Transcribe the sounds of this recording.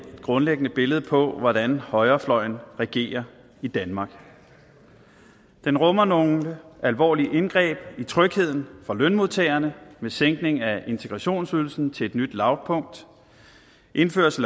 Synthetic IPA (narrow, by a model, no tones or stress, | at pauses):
d̥ɡ̥ʁɔ̽nleɡ̥ənəb̥e̝ləð̞̩ˠpʰɒ̽ʋɒdænhɒ̽ɪɐflɒ̽ɪ̰n̩ʁɛɡ̥e̝̰ːɐ | id̥ænmɑ̈ɡ̥ | d̥enʁɔ̽mɐno̝ælʋɒ̰ːliʔenɡ̥ʁɛ̰ːb̥it͡sʰʁœɡ̥he̝ð̞̰ˠn̩fʁɑ̈lønmoðˠt͡sʰeːɐnəmeseŋ̰ɡ̥ne̝ŋæe̝nt͡sʰe̝ɡ̥ʁɑɕo̝̰ːnsyðˠl̩sn̩t͡sʰe̝e̝d̥nyd̥lɑ̈ʊpʰɔ̽ŋ̰d̥ | ʔe̝nfø̰ɐs